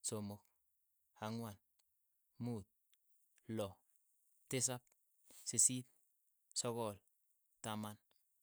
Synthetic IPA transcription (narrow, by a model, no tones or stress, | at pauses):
somok̚ | haŋwan | muːt̪̚ | lɔ | tis̬ap̚ | sisit̪̚ | sokɔl | taman